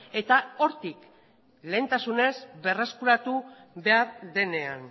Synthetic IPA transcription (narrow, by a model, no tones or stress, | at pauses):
e̞t̪ao̞ɾt̪ik | le̞ːnt̪asune̞zβe̞raskuɾat̪u | βe̞aɾðe̞ne̞an